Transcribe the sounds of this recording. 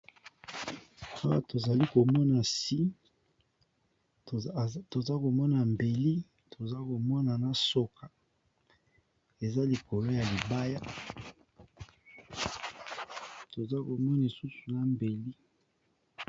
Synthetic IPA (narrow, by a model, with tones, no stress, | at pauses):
a˦wa˨to˨za˨li˦ko˨mɔ˦na˨si˦ | to˨za˦ko˨mɔ˦na˨mbe˨li˦ | tʰo˨za˦ko˨mɔ˦na˨na˦so˦ka˨ | e˨za˦li˨ko˨lo˦ja˨li˨ba˦ja˦ | to˨za˦ko˨mɔ˦n˨i˨su˦su˨na˨mbe˨li˦